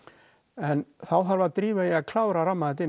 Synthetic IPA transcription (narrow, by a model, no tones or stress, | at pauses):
ɛnθawθaɾvat̪ɾiːvaiaɣkʰlaːwɾaɾamːaðɛt̪ɪn